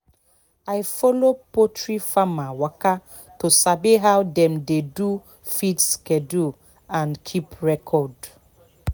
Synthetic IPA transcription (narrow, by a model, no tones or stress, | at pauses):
ajfɔlopotɹifamawaka | tosabeɦawdɛ̃mdedu | fitskɛdu | ãnkʰipɹɛkʰɔd